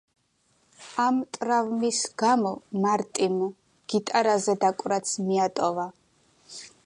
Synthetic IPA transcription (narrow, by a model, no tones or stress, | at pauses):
amt̪ʼɾavmisɡ̥amɔmaɾt̪ʼim | ɡ̥it̪ʼaɾazɛd̪akʼɾat̪sʰmiat̪ʼɔva